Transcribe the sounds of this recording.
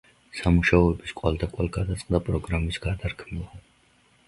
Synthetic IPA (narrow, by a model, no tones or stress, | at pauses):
samuʃaɔɛbiskʼwalˠd̪akʼwalˠɡad̪at̪sʼqʼd̪apʼɾɔɡɾamisɡad̪aɾkʰmilˠa